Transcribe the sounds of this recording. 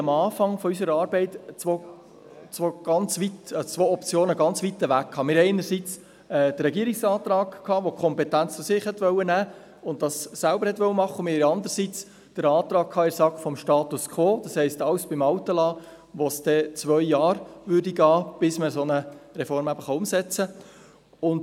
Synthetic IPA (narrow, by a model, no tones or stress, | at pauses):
mɑːfɑŋfɔys̬əɾəɑːɾbɛɪtt͡sʋo | t͡sʋoːɡ̥ɑnt͡sʋitt͡sʋoːɔpt͡sjoːnəɡɑnt͡sʋitəʋækkʰːɑːmɪːɾɛɪnəɾsit͡s | ɛːd̥ərːɛɡiəɾɪksɑːt̪ɾɑːɡkʰːɑːʋokʰɔmpɛtænt͡səsɪχhɛtʋœʊənæː | ʊnt̚d̥ɑsːælbəɾhɛt̪ʋœwəmɑχːəʊnmɪhɪɾɑnd̪əɾsit͡s | d̥əɾɑːt̪ɾɑːk̚kʰɑːɪsɑkfɔmʃtɑːt̪uskʰʋoːd̥ɑshɛɪstɑwsb̥ɪmɑwtəlɑː | ʋosd̥ɛt͡svʋœʏjɑːɾʋʏrdiɡɑːb̥ɪsməsonəɾɛfɔɾmæbəχɑʊmsɛt͡sə | ʊnd